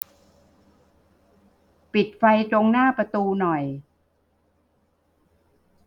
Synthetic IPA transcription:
pi˨˩t̪̚fa˧jt̪ɾo˧ŋnaː˥˩pɾa˧t̪uː˧nɔ˨˩j

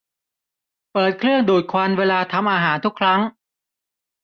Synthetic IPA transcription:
pɤː˨˩t̪̚kʰɾɯ˥˩əŋduː˨˩t̪̚kʰwa˧nweː˧laː˧t̪ʰa˧mʔaː˧ɦaː˩˦nt̪ʰu˦˥kʰɾa˦˥ŋ

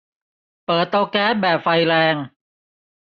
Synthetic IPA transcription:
pɤː˨˩t̪ːo˧kɛː˦˥p̪̚bɛː˨˩p̚fa˧jɾɛː˧ŋ

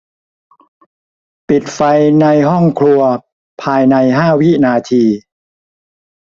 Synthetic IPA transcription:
pi˨˩t̪̚fa˧jna˧jɦɔ˥˩ŋkʰlu˧ɐ | pʰaː˧jna˧jɦaː˥˩wi˦˥naː˧t̪ʰiː˧

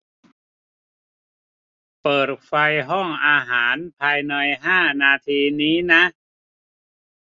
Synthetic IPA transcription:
pɤː˨˩t̪̚fa˧jɦɔ˥˩ŋʔaː˧ɦaː˩˦npʰaː˧jna˧jɦaː˥˩naː˧t̪ʰiː˧niː˦˥na˦˥ʔ

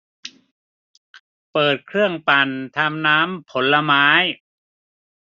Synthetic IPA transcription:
pɤː˨˩t̪̚kʰɾɯ˥˩əŋpa˨˩nt̪ʰa˧mnaː˦˥mpʰo˩˦nla˧maː˦˥j

